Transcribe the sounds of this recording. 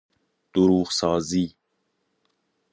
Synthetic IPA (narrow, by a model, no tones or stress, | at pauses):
d̪̥uɾuːɣsɑːziː